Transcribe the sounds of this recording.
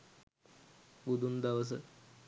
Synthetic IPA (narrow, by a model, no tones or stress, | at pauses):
bud̪ʱund̪ɐʋɐs̬ɨ